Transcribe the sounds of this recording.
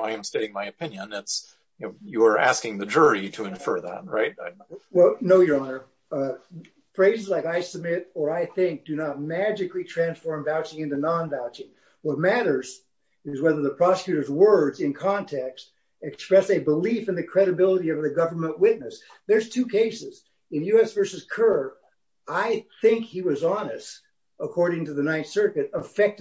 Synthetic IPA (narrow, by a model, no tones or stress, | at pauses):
aɪɨ̃msteɪɾɪ̃ŋmaɪɨpʰɪ̃njɨ̃nɪts | jɨə˞ʔæ̰skɪ̃ŋðɨd͡ʒʊɹiɾɨɨ̃ɱfɜ̰˞ðæ̰t̚ɹa̰ɪt̚wɛlˠnoʊjə˞ɑnə˞ | fɹeɪzɨzlaɪkaɪsəb̚mɪɾə˞aɪθɪ̃ŋk̚d̥ɨnət̚mæd͡ʒɨklitʰɹ̥æ̃nsfɔɹmvaʊt͡ʃɪ̃ŋɪ̃ntʉnɑ̃nvaʊt͡ʃɪ̃ŋ | wʌt̚mæɾə˞z | ɨzwɛðə˞ðəpʰɹ̥ɑsɨ̥kʰjʉɾə˞zwɜ˞dzɨ̃nkʰɑ̃ntʰɛkst | ɨkspɹɛsɨbəlifɨ̃nðɨkʰɹ̥ɛɾɨbɪlˠəɾiʌvðɨɡʌvə˞mə̃nʔwɪtⁿnɨs | ðə˞z̥tʰʉkʰeɪsɪz | ɨ̃njʉɛsv̥ɜ˞sɨz̥kʰɜ˞ | aɪθɪ̃ŋkhiwʌzɑnɨst | əkʰɔɹɾɪ̃ŋtɨðɨnãɪ̃nsɜ˞kɨɾəfɛk̚t